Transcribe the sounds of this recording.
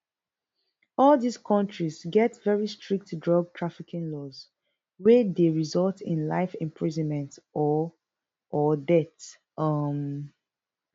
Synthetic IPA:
ɔldiskʰɔ̃ntʰɹizɡɛtvɛɹistʰɹik̚tdɹɔɡ̚tʰɹafikʰĩŋlɔz | wɛdeɹizɔltḭ̃nla̰ɪfɪ̃mpʰɹizɔ̃nmɛ̃ntɔ | ɔdɛt | ʌm

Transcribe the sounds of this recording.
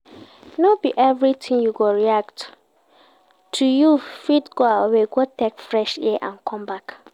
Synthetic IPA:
nobiʔɛvɹitʰĩŋjuɡoɹiakt | tʰujufitɡoaweɡotɛkfɹɛʃiʔã̰nkʰɔ̃mbak

